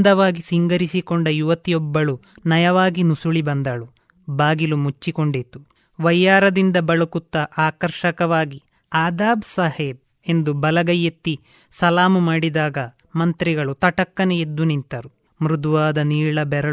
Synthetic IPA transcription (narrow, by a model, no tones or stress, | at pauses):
d̪ɐʋaːɡisiŋɡɐɾisikoɳɖɐjuʋɐt̪ijɔbːɐɭu | nɐjɐʋaːɡinusuɭibɐnd̪ɐɭu | baːɡilumut͡ʃːiko̞ɳɖit̪u | ʋɐjːaːɾɐd̪ind̪ɐbɐɭukut̪ːɐʔaːkɐɾʃɐkɐʋaːɡi | aːd̪aːbsaːheːb̚ | e̞nd̪ubɐlɐɡɐjːet̪ːi | sɐlaːmumaːɽid̪aːɡɐ | mɐnt̪ɾiɡɐɭut̪ɐʈɐkːɐneed̪ːunint̪ɐɾu | mɾud̪uʋaːd̪ɐniːɭɐbɛɾɐ